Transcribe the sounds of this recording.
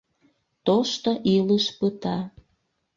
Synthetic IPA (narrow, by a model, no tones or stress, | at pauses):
t̪oʃt̪oʔiləʃpət̪ɑ